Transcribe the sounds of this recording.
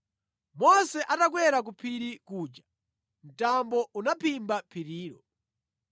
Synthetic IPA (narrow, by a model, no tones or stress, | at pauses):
mɔsɛʔatak̬wɛɾak̬upʰiɾikuːt͡ʃḁ | n̩tambɔunapʰimbapʰiɾiːɾɔ